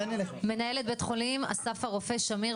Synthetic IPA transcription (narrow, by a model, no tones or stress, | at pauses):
nme̞naje̞let̪̚bet̪χolima̰safaʁofe̞ʃami